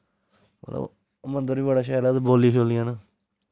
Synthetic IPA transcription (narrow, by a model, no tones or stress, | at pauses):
mə̰t̪lə̰b | mənd̪əɾiːbəɽaːʃaːlaːt̪boːliːkʰoːlɪjãːnaː